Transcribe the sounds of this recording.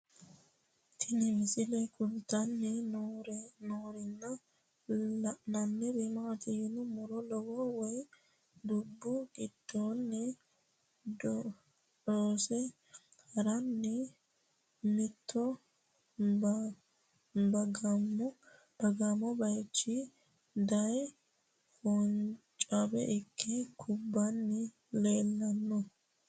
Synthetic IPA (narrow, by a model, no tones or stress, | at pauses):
t̪ʰɪnɛmɪsɪlɛkʊlt̪ɐnːɛɾnoːɾɪnːɐ | lɐʔnɐnːɛbɛmaːt̪ɪjɪnʊmɔɾɔlɔɡɔwɔj | d̪ʊbːʊɡɪd̪̥oːnːɛ | doːsɛ | hɐɾɐnːɛ | mɪt̪ʰːɔ | bɐɡɐmɔ | b̥ɐɡamɔbɐjt͡ʃːɪ | d̪ɐj | hɔnt͡ʃʼɐbɛ̰ʔɪkʰːɛkʰʊbːɐnːɛ | leːlːɐnːɔ